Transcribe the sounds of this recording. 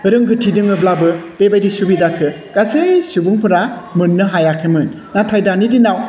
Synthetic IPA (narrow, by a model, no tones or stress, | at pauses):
ɯɾɯŋɡʰɯtʰidɯŋɯblabɯb̥ebajdisubidakʰːɯ | kasesubɯŋpʰɯɾamɯnːɯɦajakʰemɯn | natʰajdanidinaw